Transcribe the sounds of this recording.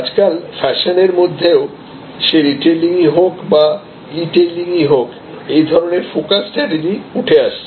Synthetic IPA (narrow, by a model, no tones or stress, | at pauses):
ad͡ʑkalfʰɛʃoneɾmod̪ʱːeo | ʃeɾiʈeliŋiɦokba | ɾiʈeliŋiɦok | ejd̪ʱɔɾoneɾfokasʈɾɛʈed͡ʑiuʈʰeaʃe